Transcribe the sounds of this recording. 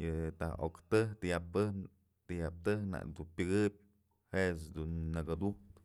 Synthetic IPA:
jɨt̪a̰ho̰kt̪ɨht̪ɨjap̚t̪ɨh | t̪ɨjap̚t̪ɨhna̰ʔd̪upʲɨɡɨp̚ʲ | heʔsd̪unːaɡad̪ukt̪

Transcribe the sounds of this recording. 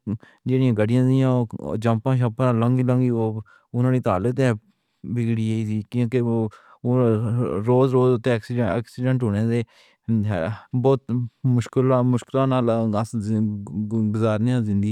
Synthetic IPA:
d͡ʒeːɽɪjãːɡəɽɪjãːzɪjãːo̰d͡ʒəmpãːʃ̬əpnaːləŋɡiːlə̃ŋɡiːoː | ʊnãːniːt̪aːlət̪ɛː | bɪɡɽiːəːiːsiːkiõːkeː | ɾoːzɾoːzʊt̪ːeːksiːksiɖə̃ɳʈɦoːneːdeː | bɔːt̪mʊʃklamʊʃkɪlãːnaːlɡəs | ɡʊzaːɾnjãːzɪ̃nd̪i

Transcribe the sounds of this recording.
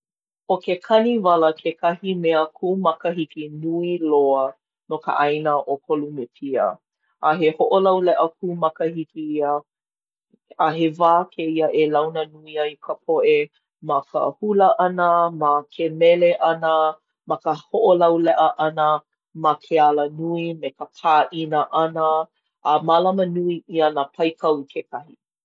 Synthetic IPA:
okekʰɐnivɐləkʰekʰɐhimeəkʰuːmɐkəhikinuiloə | nokə̰ʔajnəʔokʰolumepʰiə̰ | ʔːɦehoʔolɐwlɛʔəkuːmɐkəhikiiə | ɦevaːkʰeiəʔelɐwnənuiɐikʰəpʰoʔe | mɐkʰə̰huləʔɐnəmakʰemɛleʔɐnə | mɐkəhoʔolɐwlɛʔəʔɐnə | makʰealənuimekəpʰaːʔinəʔanəː | malɐmənuiʔiənapʰɐjkʰɐwkʰekɐhi

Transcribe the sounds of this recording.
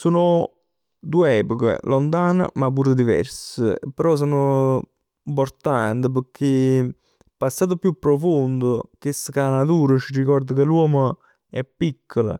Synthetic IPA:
soːnʊ | d̪ueɛːpokə̰lont̪aːnə̰map̬ːuːɾəd̪ivɛ̰ɾsəḛpːəɾɔs̬oːnʊ | mpoɾt̪ant̪əp̬əkʰːe | pasːaːt̪̬opjupːɾofond̪ʊkesəkanat̪̬uːɾət͡ʃirikɔrd̪əkeluwɔːmo | ɛpːikʰːolə̰

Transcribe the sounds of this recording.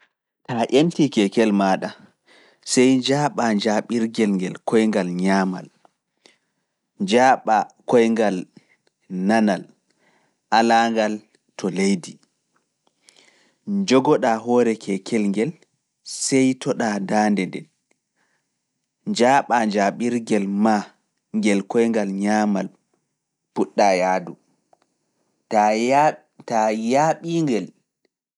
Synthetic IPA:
taʔentikɛkɛlmaːɗa | sɛjd͡ʒaːɓaɲd͡ʒaɓiɾɡɛlŋɡɛlkʰɔjŋɡalɲaːma̰l | d͡ʒaːɓakɔjŋɡal | nanal | ʔalaːŋɡal | tʰɔlejdi | d͡ʒɔɡɔɗaɦɔːɾɛkʰɛkʰɛlŋɡɛl | sɛjtʰɔɗaːdaːndɛndɛ̰n | ɲd͡ʒaːɓaɲd͡ʒaɓiɾɡɛlma | ŋɡɛlkɔjŋɡalɲaːmal | puɗːajaːdu | a | tajaɓiŋɡɛl

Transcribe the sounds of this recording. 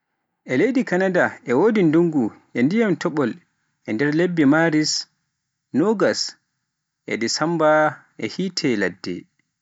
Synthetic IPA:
ʔɛlejdikanadaʔɛwoːdinduŋɡuʔɛndijamtɔɓɔl | ʔɛndɛɾlebːimaɾis | nɔɡas | ʔɛ̰disambaʔɛhitʰɛladːɛ̰

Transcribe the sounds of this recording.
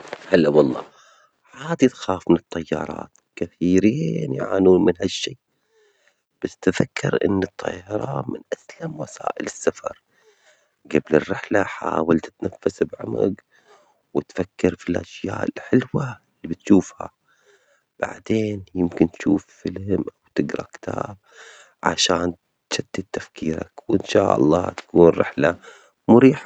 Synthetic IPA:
halːawɑlˤːɑ̰ː | haːd̪it̪xaːfmɪnɨt̪ˤːɑjːɑ̰ːɾˤɑ̰ːt̪ | kɪθiːɾiːnjʕa̰ːnuːnmɪnhaʃːiː | b̥asːt̪fakːɪɾʔɪ̰nːɨt̪ˤʰːɑ̰ːɑɾˤɑmɪ̰nʔaslamwasa̰ːʔɪlɪsːafɑɾˤ | ɡablɪrːɪħlaħaːwalt̪ɪ̥t̪nafːasbʕʊma̰ɡ | wɪt̪fakːɪɾfilʔaʃjaːʔɪlħɪlwa | lːibɪt̪ʃuːfha̰ | b̥a̰ʕd̪eːnjɪmkɪnt̪ʃuːfːɪlhɪmʔawt̪ɪɡɾˤɑkɪ̥t̪ʰaːb̚ | ʕa̰ʃaːn | ʃad̪ːat̪ːafkiːɾa̰kwʔɪnʃaːʔɑ̰lˤːɑ̰ːt̪ḁkuːnrːɪ̰ħla | mʊɾiːħa

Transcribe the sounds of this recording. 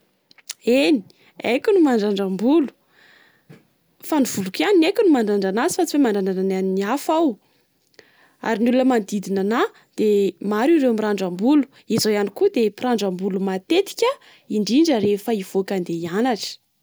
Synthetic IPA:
eni̥ | a̰jkʲunumaɳɖ͡ʐaɳɖ͡ʐambulu̥ | faniv̥ulukaninakʲunumaɳɖ͡ʐaɳɖ͡ʐanazi̥fat͡siwemaɳɖ͡ʐananananiniafaw | a̰ɾinulunəmand̪id̪inana | d̪̥emaɾiɾewmiɾaɳɖ͡ʐambulu̥ | izawjanikud̪epiɾaɳɖ͡ʐambulumat̪et̪i̥kʲə | iɳɖ͡ʐiɳɖ͡ʐəɾefəiv̥okand̪eianaʈ͡ʂi̥

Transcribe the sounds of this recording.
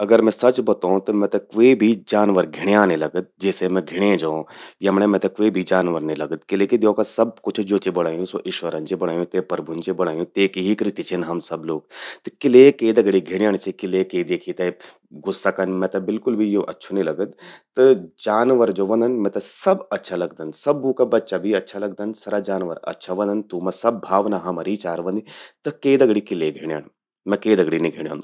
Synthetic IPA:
ɐɡəɾmɛ̃sɐt͡ʃbɐt̪ãt̪ɐmɛ̃t̪ɐkʋebʱid͡ʒaːnʋəɾɡʱɪɽjaːnelɐɡəd̪̚d͡ʒɛːsemɛ̃ɡʱɪɽ̃ẽd͡ʒaõjɐmɽẽmɛ̃t̪ɐkʋebʱid͡ʒaːnʋəɾnelɐɡət̪̚kɪleked̪jõːkasɐb̚kʊt͡ʃʰd͡ʒoːt͡ʃebɐɽ̃aːjũsoʔɪʃʋəɾənt͡ʃebɐɽ̤̃aːjũt̪epɐɾbʱunt͡ʃebɐɽ̤̃aːjũt̪eːkiɦikɾɪt̪it͡ʃʰinɦɐmsɐbloːɡ̚t̪kɪleked̪ɐɡɽiɡʱɪɽ̃jaːñet͡ʃʰikɪleked̪eːkʰit̪ɐ | ɡʱusːɐkɐnmɛ̃t̪ɐbɪlkʊlbʱijoʔɐtːʃʰunilɐɡəd̪t̪ɨd͡ʒaːnʋɐɾd͡ʒoːʋɐ̃nd̪ʱɐnmɛ̃t̪ɐsɐbɐtːʃʰalɐɡd̪ɐnsɐbːuːkɐbɐtːʃabʱiɐtːʃʰalɐɡ̚d̪ɐnsɐɾad͡ʒaːnʋɐɾɐ̰tːʃʰaʋɐ̃nd̪ɐnt̪umɐ̃sɐbːʱaːʋnaɦɐmɐɾiːt͡ʃaːɾʋɐ̃nd̪it̪ɐkeːd̪ɐɡɽikileɡʱeɽ̃ja̰ːɳ | mɛ̃keːd̪ɐɡɽiniɡʱeɽ̃ja̰ːnd̪u

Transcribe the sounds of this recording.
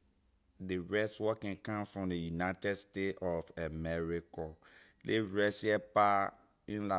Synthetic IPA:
deɹɛstwɔkɛ̃nkãmfɹɔ̃mdejunaɪtɛdstetɔfamɛɹikɔ | leɹɛsɛpa | ĩnla

